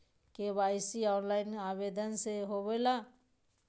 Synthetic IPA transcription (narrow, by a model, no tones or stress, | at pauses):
kebaːɪsiɔːnlaːɪnabed̪ənseɦobela